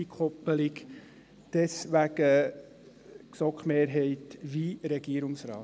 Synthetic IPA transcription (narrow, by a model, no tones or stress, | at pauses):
ikʰɔpəlɪk | d̪̥ɛsʋæɡə | ksɔkχmeːɾɦɛɪtʋiɾɛɡiːəɾʊŋsɾɑː